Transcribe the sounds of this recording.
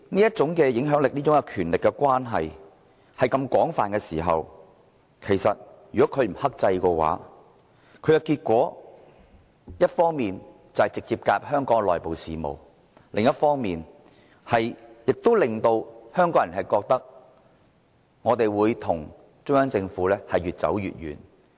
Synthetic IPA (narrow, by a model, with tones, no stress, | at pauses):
niː˥jɐ˥t̚t͡ʃʊ˨˥ŋkɛː˧jɪ˨˥ŋɦœː˨˥ŋlɪ˨k̚niː˥ʊ˨˥ŋkɛ˧kʰyː˨˩nlɪ˨kːɛ˧kʷwaː˥nɦɐ̰˨j | hɐ˨jkɐ˧mkʷɔː˨˥ŋfa̰ː˨nkɛː˧siː˨˩ɦɐ̰˨w | kʰe˨˩jsɐ̰˨t̚jyː˨˩kɔː˨˦˥kʰɵ˨˧ɥm̩˨˩hɐ˥k̚t͡sɐ˧jkɛ˧wa̰ː˨˥ | kʰɵ˨˧jɐ˨˧wkiː˧t̚kʷɔː˨˥ | jɐ˥t̚fɔː˥ŋmiː˨n | t͡sɐ˨hɐ˨jt͡sɪ˨k̚t͡siː˧p̚kaː˧p̚hœː˥ŋkɔː˨˥ŋlɔː˨˩jpo˨wsiː˨mo̰˨w | lɪ˨ŋjɐ˥t̚fɔː˥ŋmiː˨n | hɐ˨jjɪ˨k̚t̪o˥wlɪ˨ŋt̪o˧whœː˥ŋkɔː˨˥ŋjɐ˨˩nɦɐ˨jkɔː˧k̚t̪ɐ˥k̚ | ŋɔː˨˧t̪e˨jwuː˨˧jt̪ʰʊ˨˩ŋ | t͡ʃʊ˥ŋjœː˥ŋt͡sɪ˧ŋfuː˨˥lɛː˥hɐ˨jɥyː˨t̚t͡sɐ̰˨˥wjy̰ː˨t̚ɥy̰ː˨˩n